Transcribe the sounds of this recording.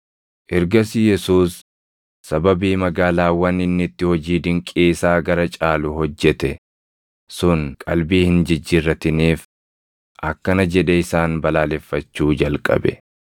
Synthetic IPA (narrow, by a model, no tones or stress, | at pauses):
ʔɪɾɡɐsɪjɛsuːsː | ɐbɐbiːmɐɡaːlaːwɐnːɪnːɪt̪ːɪhɔd͡ʒiːd̪ɪŋkʼeːsaːɡɐɾɐt͡ʃʼaːlʊɦɔd͡ʒːɛt̪ɛ | sʊŋkʼɐlbiːhɪnd͡ʒɪd͡ʒːɪrːɐt̪ɪniːf | ʔɐkːɐnɐd͡ʒɛᶑɛɪsaːnbɐlaːlɛfːɐt͡ʃːuːd͡ʒɐlkʼɐ̰bɛ̰